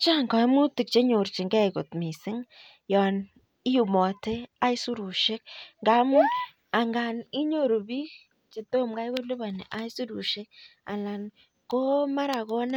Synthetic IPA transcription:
t͡ʃa˦ŋkɔ˨i˦mu˦ti˨k̚t͡ʃe˦ɲo˨ɾt͡ʃi˨ŋɡɛ˦ko˨tmi˨sɪ˦ŋ | jɔ˨n | i˦ju˨mɔ˨te˦a˦jsu˦ɾu˨ʃɪ˦k̚ŋɡa˦mu˦n | a˨ŋɡa˨ni˦ɲo˦˨ɾu˨bi˦ | t͡ʃe˨to˦mɡa˦jɣo˦lu˦βa˨nḛ˨ʔa˦jsu˦ɾu˨ʃɪ˦k̚a̰˨la˨n | ko˦ma˦ɾa˨ɣo˦na˦

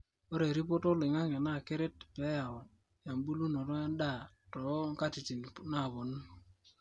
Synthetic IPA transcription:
o˦ɾe˨ɾi˦p̬o˦to˦lɪ˨ŋa˦ŋe˨na˦˨ke˦ɾe˦t̚pe˨˦ja˨ɔ˨ | ja˨mbu˦lu˦nɔ˨tɔ˦a˦nda˦˨ | tɔ˨˦ŋ˦ka˦ti˨t͡ʃi˨n˨na˦˨bo˨n˦

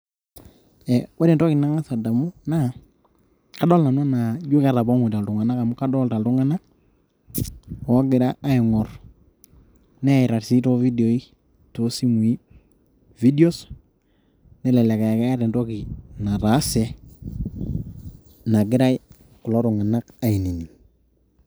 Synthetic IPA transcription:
ɛ˨wa˦ɾɛ˨ndɔ˦ki˨na˨˦ŋa˦sa˨da˨mu˦na˦˨ | ka˦dɔ˦lna˨n˦a˦na˨d͡ʒu˦ka˦ɾa˨ba˦ŋwi˨ta˨ltu˨ŋa˨na˦ka˨mu˦ka˦dɔ˦lta˨ltu˦ŋa˦na˦˨ | a˦ɡɪ˨ɾa˦a˦i˨ŋɔ˨r | nɛ˦˨i˨ɾa˨ɾsi˦to˦vi˦do˨i˦ | to˦si˦mwi˦ | vi˦di˦o˦s | nɛ˦˨lɛ˨le˨ka˨ja˨ka˦a˦ɾɛ˨ndo˦ki˨na˨ɾa˨˦sɛ˨ | na˨ɡɪ˦ɾa˦j | ku˨lo˦ɾu˨ŋa˨na˦ka˨i˨ni˨ni˨

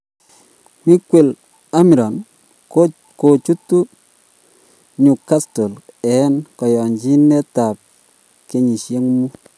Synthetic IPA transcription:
mi˦kwe˨l | a˦mi˨ɾɔ˨n | ko˨t͡ʃu˦tu˦ | ɲu˨ka˦sto˨lɛ˨˦nkɔ˨jɔ˨ɲd͡ʒi˦nɛ˦ta˨p̚ | ke˨ɲi˨ʃje˦ŋmu˦

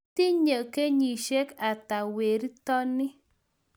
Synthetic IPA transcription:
ti˦ɲə˨ke˦ɲi˨ʃe˦ka˨ta˨we˨ɾi˦tɔ˦nɪ˦

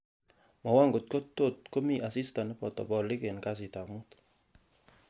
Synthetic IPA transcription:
mɔ˨wa˦ŋɡo˨t̚ko˦tːo˦˨tko˦mi˦ʔa˨si˦sta˨n˦pɔ˨tɔ̰˨bɔ˨li˦ke˨nka˦s̬i˨ta˨mu˦t

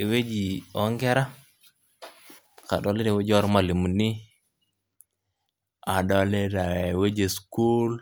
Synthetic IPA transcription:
e˨we˦d͡ʒi˨ɔ˦ŋɡe˦ɾa˦ | ka̰˨ɗo˨le˦ɾe˨we˦d͡ʒɔ˦ɾma˦˨li˨mu˨ni˦ | a˨dɔ˨le˦ɾa˨we˦d͡ʒe˨sku˦l

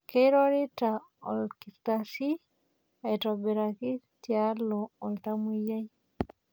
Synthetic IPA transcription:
ke˦ɾɔ˦ɾi˦ta | ɔ̰˨lki˨ɾt̪asi˦ | a˨tɔ˨be˨ɾa˨ki˦ | tjaloː˨lt̪a˦mu˦ja˦j

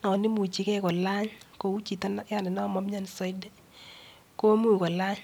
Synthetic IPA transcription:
nɔ˨ni˦mu˨t͡ʃi˨kɛ˦kɔ˨la˦ɲko˨u˦t͡ʃi˨ta˦n˦a˦nɪ˨nɔ˦˨mɔ˦mɲa˦n˨sɔ˦dɛ˦ | ko˦mu˦˨kɔ˨la˦ɲ

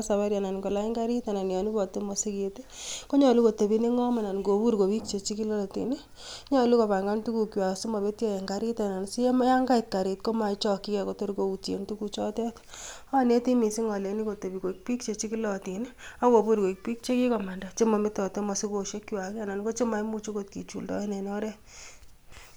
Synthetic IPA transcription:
sa˨βa˦ɾja˨na˨nko˨la˦i˦ŋɡa˦ɾi˦ta˨na˨njɔ˨ni˦pɔ˨te˦mɔ˨si˦ke˨te˦ko˦ɲɔ˨lu˦ko˨te˨bi˦ni˦ŋɔ˦ma˨na˨nɡo˨pu˦ɾko˨pi˦k̚t͡ʃe˨t͡ʃi˦ki˦lɔ˦tḭ˨n | ɲɔ˨lu˦ko˨pa˨ŋɡa˦ntu˦ku˨kjwa˨si˦mɔ˨pe˦tjɔ˦je˨ŋɡa˦ɾi˦ta˨na˨nsi˦m˦ja˦ŋɡa˦i˨t̚ka˨ɾi˨t̚ko˦ma˨˦t͡ʃɔ˦ki˦kɛ˨ko˦to˦ɾko˨u˨te˨ntu˦ku˨t͡ʃɔ˦tɛ˦ta˦ne˦ti˦mi˨si˦ŋɔ˨le˨ni˦ko˨te˨pi˨ko˨ik̚pi˦k̚t͡ʃe˨t͡ʃi˦ki˦lɔ˨ti˨na˦ko˨pu˦ɾko˨i˨k̚pi˦k̚t͡ʃe˦ki˦kɔ˨ma˨nda˨t͡ʃe˦mɔ˨mɪ˦tɔ˨to˦mɔ˨si˦ko˨ʃe˦kːjwa˨ki˦a˨na˨nko˦t͡ʃe˦ma˨jmu˦t͡ʃo˦ko˦˨t̚kḭ˨t͡ʃṵ˨ldɔ̰˦e˦nɛ˨nɔ˦ɾɛ˦

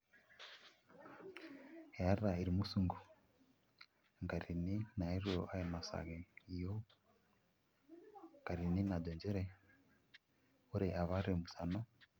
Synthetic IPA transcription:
he˨a˦ɾa˨i˨ɾi˨mu˦su˨ŋɡu˨ | ŋɡa˨ɾi˨ni˦na˨i˦ɾo˨a˦e˨na˨sa̰˨ɣe˨i˨jo˦ | ŋɡa˨ɾi˨ni˦na˨d̪ɛ˨ɲd͡ʒɛ˦ɾe˨ | o˦ɾe˨ʔa˨βa˦ɾe˨mu˨sa˨no˦

